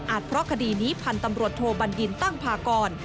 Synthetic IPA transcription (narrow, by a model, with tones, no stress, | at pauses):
ʔaː˨˩t̪̚pʰɾɔ˦˥kʰa˧diː˧niː˦˥pʰa˧nt̪a˧mɾu˨˩ət̪ʰːoː˧ba˧nji˧nt̪a˥˩ŋpʰaː˧kɔː˧n